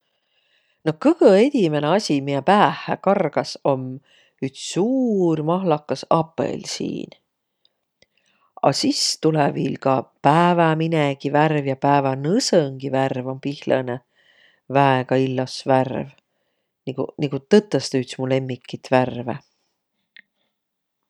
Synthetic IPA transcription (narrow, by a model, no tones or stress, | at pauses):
no̞kɤkɤe̞t̪ʲime̞neɑsʲimiepæːhˑækɑrɡ̥ɑso̞m | yt̪ssuːrmɑɦlɑkːˑɑsɑpːˑḛlsḭːn | ɑ̰sist̪uleviːlkɑpæːvæmineɡiværvjɑpæːvɑnɤsɤŋɡ̥iværvo̞mpihləne | væeɡɑilːɑsværv | niɡṵniŋɡut̪ɤt̪ːˑɑst̪ɑyt̪smule̞mːikːˑit̪værvḛ